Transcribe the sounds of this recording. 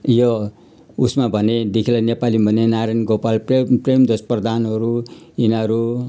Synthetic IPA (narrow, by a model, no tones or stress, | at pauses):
jo | usmabʱʌned̪ikʰilʌnepalibʱʌnenaɾanɡopalprepremd̪osprʌd̪anɦʌɾuinʌɾu